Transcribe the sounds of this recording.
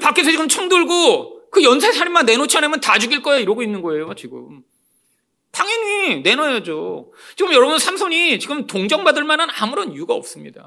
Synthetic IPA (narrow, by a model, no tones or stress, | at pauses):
pak͈esʰʌt͡ɕiɡɯmt͡ɕʰʌŋduɭɡokɯjʌnsʰesʰaɾimːanːe̞not͡ɕʰʌnemjʌntad͡ʑuɡiɭk͈ʌjaiɾʌɡoinːɯnɡʌe̞jot͡ɕiɡɯ̰m | pʰaŋjʌɲine̞nʌjad͡ʑo | t͡ɕiɡɯmjʌɾʌbunsʰamsʰʌɲit͡ɕiɡɯmtoŋd͡ʑʌŋbadɯɭmanɯnamuɾʌnijuɡaʌ̰p̚s͈ɯmɲida̰